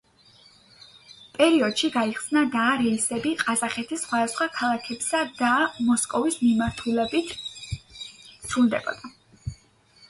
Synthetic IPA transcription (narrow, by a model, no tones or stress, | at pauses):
pʼɛɾiɔd̪̥ʃiɡaiχsnad̪aɾɛisɛbiqʼazaχɛt̪ʰisːχwad̪asχwakʰalˠakʰɛbsad̪amɔskʼɔvismimaɾt̪ʰulɛbit̪ʰ | sʰɾuld̪ɛ̰bɔ̰d̪̥a